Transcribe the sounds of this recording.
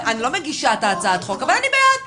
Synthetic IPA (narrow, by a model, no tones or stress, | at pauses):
anilo̞meɡiʃat̪aːt͡sat̪χo̞kavalanibeet